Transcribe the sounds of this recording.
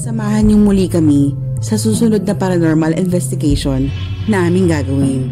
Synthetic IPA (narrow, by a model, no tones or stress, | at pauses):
sɐmaːhɐnɲʊŋmʊlikɐmi | sɐsuːsʊno̞d̪̚nɐpɐɾɐnoɹmɐlɪ̰nvɛst̪ɪɡejʃonː | ɐŋʔaːmɪŋɡaːɡɐwɪn